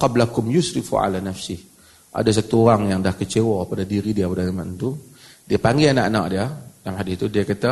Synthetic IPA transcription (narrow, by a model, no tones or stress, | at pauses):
qɑblakʊmjʊsɾɪfṵʔa̰lanafsɪh | ʔa̰das̬at̪uoɾaŋjaŋdahkət͡ʃewɔpadadiɾidiapadaamant̪u | diapaŋɡɪanaʔana̰ʔ̚diadamɦadɪt̪udiakat̪a